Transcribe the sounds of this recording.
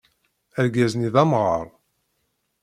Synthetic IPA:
æɾɡæzniðæmʁɑ̰ɾˤ

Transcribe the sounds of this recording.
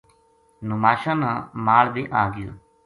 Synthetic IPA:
nʊmaːʃãːnãːmaːɭbiːʔaːɡɪjo̰ː

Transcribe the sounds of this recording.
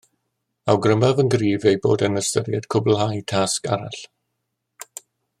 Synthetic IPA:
awɡrəmavənɡriːvejbo̰ːdənəstəɾjɛd̥kʰʊbl̩ˠɦajtʰaskaɾa̰ɬ

